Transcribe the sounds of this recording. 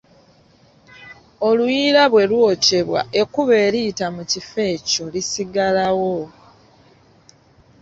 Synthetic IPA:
o̞lujiːɾaβwe̞lwo̞ːce̞βwa̰ʔe̞kuβe̞ːɾiːtamucife̞ːco̞lisiɡalawo

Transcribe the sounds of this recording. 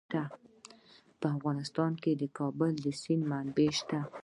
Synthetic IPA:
t̪a | pəafɣɑnɪst̪ɑnked̪əkʰɑbəld̪əsinmanbeʃt̪a

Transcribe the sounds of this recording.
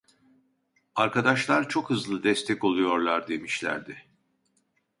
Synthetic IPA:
aɾkad̪aʃlˠaɾt͡ʃʰo̞khɯzlˠɯd̪ɛst̪ʰɛko̞lˠujo̞ɾlˠaɾd̪e̞miʃlʲæ̰ɾd̪ɪ

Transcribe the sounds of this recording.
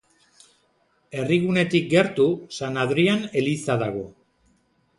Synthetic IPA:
e̞riɣune̞t̪ik̚ɡe̞ɾt̪usanaðɾiane̞lisaðaɣ̞o̞̰

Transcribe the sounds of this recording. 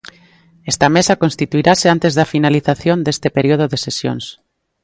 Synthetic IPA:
ɛst̪amesakõnst̪it̪uiɾaseant̪ezðafinaliθaθjond̪est̪epeɾioð̞oðesesjo̰ŋs

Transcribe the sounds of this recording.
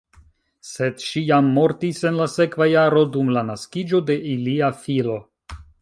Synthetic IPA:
se̞dʃijamːo̞ɾtise̞nlase̞kvajaɾo̞dumlanaskid͡ʒo̞de̞ʔiliafilo̞

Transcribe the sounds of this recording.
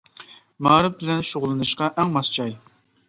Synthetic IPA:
mɑːɾɨp̚bɪlɛnʃoʁlˠɨnɨʃqɑʔɛŋmɑst͡ʃʰɑj

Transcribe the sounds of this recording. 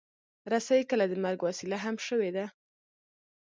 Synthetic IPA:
ɾasajikəlad̪əmaɾɡwasilaɦamʃəwed̪a

